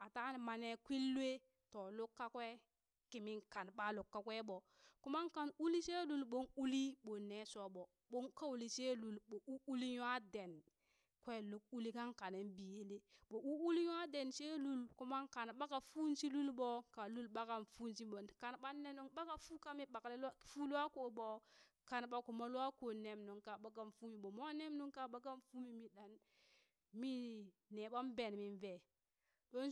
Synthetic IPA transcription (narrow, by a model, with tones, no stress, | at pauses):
a˨ta˦n˨ma˨ne˨kʷi˦lːe˦ | tɔ˨lu˦kːa˦kwe˦ | ki˨mi˦nka˨nɓa˦lu˨kːa˨kʷe˦ɓɔ˨ | ku˦ma˦nka˨nu˦li˦se˦lu˨lɓo˦nu˦li˦ɓo˨nːe˨so˦ɓo˨ | ɓo˦ŋka˦wli˨se˦lu˨lɓo˨ʔu˦u˦li˦ja˦de˨n | kʷe˦lu˦k̚u˦li˦ka˦ŋka˨ne˨nbi˨je˦le˦ɓo˨u˦u˦li˦ja˦de˨nʃe˦lu˦lku˦ma˦nka˨n˨ɓa˦ka˨fu˦n˦si˦lu˦lbo˨ka˨lu˦lɓa˦ka˨nfu˦nsi˦bo˨ka˨nɓa˦ne˦nu˦ŋɓa˦ka˨fu˦ka˦mi˦ɓa˨kle˦lfu˦lu˦a˦ko˨ɓo˨ | ka˨nɓa˨ku˨ma˦lu˦a˦ko˨ne˨mnu˨ŋka˨ɓa˨˦ɡa˨nfu˦mi˨bo˨mo˦ne˦mnu˦ŋka˦˨ɓa˦ɡa˦nfu˦mi˨mi˨ɗa˨n | mi˦˨ | ne˨ɓa˦m˦be˨nmi˨nve˨ | ɗo˦n˦